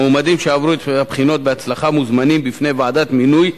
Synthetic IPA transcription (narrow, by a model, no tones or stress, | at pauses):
umad̪imʃaavɾut̪bχinot̪veat͡slaχamuzmanimbifnevaʕd̪at̪minuj